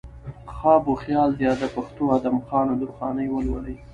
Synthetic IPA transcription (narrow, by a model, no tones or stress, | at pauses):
xɑboxjɑld̪jɑd̪əpaxt̪oad̪amxɑnod̪uɾxɑnəjwəlwaɽəj